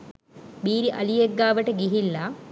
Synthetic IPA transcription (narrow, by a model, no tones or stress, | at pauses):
biːɾiʔɐlijeɡːaːʋəʈəɡiɦilːa